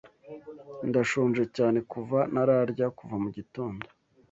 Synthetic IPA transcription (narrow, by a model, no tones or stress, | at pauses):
ndaʃoːnʒecaːne̞kuvanaɾaɾɟakuvamuɟito̞ːndo